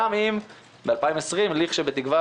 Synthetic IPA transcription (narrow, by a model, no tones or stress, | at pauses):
amim | bealpaimesʁimliχʃebet̪ikva